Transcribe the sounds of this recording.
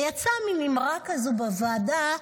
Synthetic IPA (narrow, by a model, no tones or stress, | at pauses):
jat͡samimimʁakazubavaːda